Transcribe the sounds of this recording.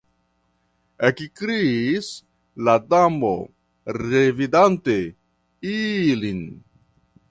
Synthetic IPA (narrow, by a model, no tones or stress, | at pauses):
ekikɾis | ladamo̰ | ɾevidante | ilin